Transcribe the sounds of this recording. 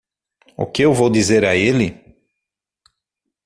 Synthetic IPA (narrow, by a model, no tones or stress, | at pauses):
ʊ̰kɪewvowd̪izeɾɐelɪ